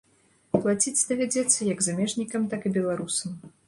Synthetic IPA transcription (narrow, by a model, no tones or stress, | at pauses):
plˠat͡sʲitt͡sʲd̪ɐvʲad͡zʲɛt̪sːɐjɐɡzamʲɛʐnʲikɐmt̪akɨbʲɛlˠaɾusɐm